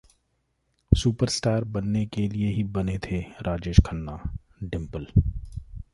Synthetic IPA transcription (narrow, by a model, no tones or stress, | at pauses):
suːpəɾsʈaːɾbɐnːekelieɦibɐnet̪ʰeɾaːd͡ʒeːʃkʰənːa | ɖɪ̃mpəl